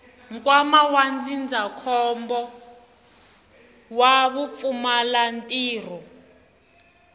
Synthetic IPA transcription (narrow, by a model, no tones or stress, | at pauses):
ŋkʼwamawand͡zind͡zʱakʰɔmbɔ | waβufumalantʼiːr̤ɔ